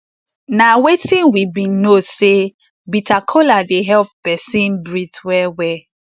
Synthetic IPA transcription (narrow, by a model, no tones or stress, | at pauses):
nawetĩnwibĩnose | bitʰakʰoladeɦɛlpːɛsĩnbɹitwɛwɛ